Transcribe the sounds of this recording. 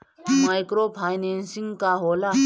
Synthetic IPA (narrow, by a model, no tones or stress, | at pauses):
maːɪkɾoːpʰaːjnẽːnsɪ̃ŋɡkaːɦoːlaː